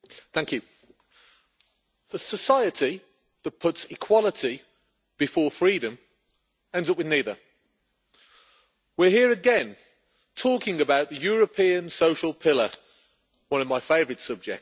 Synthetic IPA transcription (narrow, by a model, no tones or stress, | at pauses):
θæ̃ŋkʰjʉ | ðəsəsaɪətʰi | ðət̚pʰʊtsɪkʰw̥ɒlˠətʰi | b̥ɪfɔːfɹiːɾə̃m | ɛ̃ndzʌpwɨðniːðə | wɪɦiəɹəɡɛ̃n | tʰɔˑkɪ̃ŋəbaʊʔ̪̚ðəjɔːɹəpʰĩə̃nsoʊʃəlˠpʰɪlə | wʌ̃nəvmaɪfeɪvəɹɨd̥sʌb̚d͡ʒɛk̚